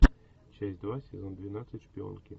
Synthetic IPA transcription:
t͡ɕɛsʲtʲd̪vasʲɪzond̪vʲɪnat̪sɨtʲʃpʲɪo̰nkʲɪ

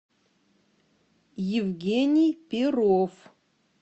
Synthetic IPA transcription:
jɪvɡʲenʲijpʲɪrof

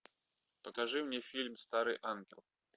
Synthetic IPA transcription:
pɐkaʐɨmnʲɛfʲilʲmst̪aɾɨʔanɡʲɛ̰lˠ

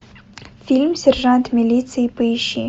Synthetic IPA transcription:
fʲilʲmsʲɛrʒɑnt̪mʲilʲit̪sɨjipɪʃḭ

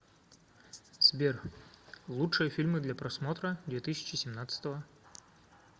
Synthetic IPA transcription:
sʲbʲer | lˠutʂɨjəfʲilʲmɨd̪lʲapɾɐsmo̞t̪ɾəd̪vʲet̪ɨsʲɪ̥t͡ɕɪsʲɪmnat̪sɨ̥t̪əvə

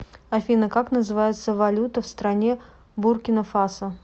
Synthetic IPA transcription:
ɐfʲinəkaknəzɨvajɪt̪səvɐlʲut̪əfst̪ɾɐnʲe̞ | burkʲɪnəfasə

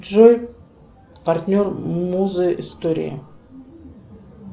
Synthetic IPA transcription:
ʒoj | pʰart̪ʲnʲormmuzɨʔist̪oɾʲḭjə̰

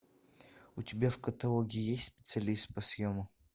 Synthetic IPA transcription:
ʊtʲɪbʲafkɐt̪ɐlˠoɡʲɪjesʲtʲspʲɪ̥t̪sɨɐlʲist̪̚pɐsʲjomʊ

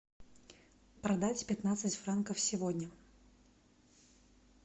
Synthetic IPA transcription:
pɾɐd̪atʲpʲɪt̪nat̪sɨtʲfɾankəfsʲɪvodʲnʲə

